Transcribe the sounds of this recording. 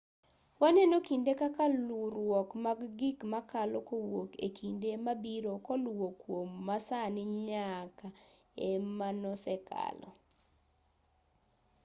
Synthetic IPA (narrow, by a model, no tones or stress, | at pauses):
wanɛnokindekakaluɾwɔkmaɡɡikmakalokowokḛkʰindemabiɾokɔlwokwomːasanɪɲaka | emanɔsɛka̰lɔ̰